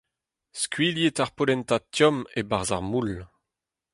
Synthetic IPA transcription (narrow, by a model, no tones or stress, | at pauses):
skɥiljetaʁpolɛnt̪atjɔmebaʁza̰ʁmul